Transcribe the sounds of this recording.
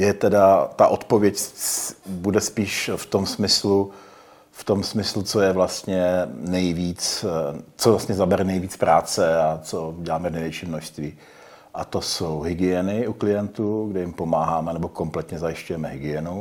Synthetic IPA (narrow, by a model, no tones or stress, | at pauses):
jɛt̪ɛdat̪aʔot̪povjɛc | budɛspiːʃft̪o̞msmɪslu | ft̪o̞msmɪslut͡so̞jɛvlast̪ɲɛnɛjviːt͡s | t͡sovlast̪ɲɛzabɛɾɛnɛjviːt͡spɾaːt͡sɛat͡so̞ɟɛlaːmɛvnɛjvjɛt͡ʃiːmnoʃst̪viː | ʔat̪o̞sowɦɪɡɪɛnɪuklɪjɛnt̪uɡdɛjɪmpo̞maːɦaːmɛnɛbo̞ko̞mplɛt̪ɲɛzajɪʃcujɛmɛɦɪɡɪjɛnu